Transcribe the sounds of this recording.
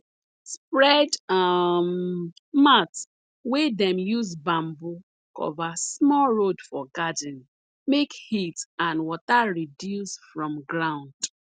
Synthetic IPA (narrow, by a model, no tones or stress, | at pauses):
spɹɛdam | mat | wedɛ̃mjuzbãmbu | kɔ̰vasmɔlɹodfɔɡadɪ̃n | mekhitãnwɔtaɹidjusfɹɔ̃mɡɹãʊ̃nd